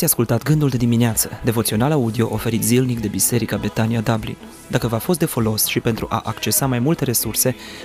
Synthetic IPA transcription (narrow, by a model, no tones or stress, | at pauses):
asʲjaskult̪at̪ɡɨnd̪uld̪e̞d̪imineat̪səd̪e̞vo̞t̪sio̞nalaud̪io̞ʔofe̞ɾit̪zilnik̚d̪e̞bise̞ɾikabet̪aniad̪ablḭn | d̪akəvafo̞s̬t̪d̪e̞fo̞lo̞sʃipent̪ɾuʔa̰ʔakt͡ʃe̞samajmult̪e̞ɾe̞surse̞